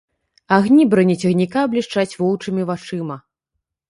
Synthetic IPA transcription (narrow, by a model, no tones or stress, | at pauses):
aɣnʲibɾɐnʲit͡sʲɐɣnʲikaɐblʲiʂt͡ʂat͡sʲvɔw̪ˠt͡ʂɨmʲivat͡ʂɨmɐ